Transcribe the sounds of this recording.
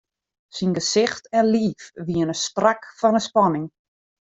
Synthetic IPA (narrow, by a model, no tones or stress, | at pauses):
sinɡəsɪxtɛnliːfʋiənəstrakfɔnəspɔnɪŋ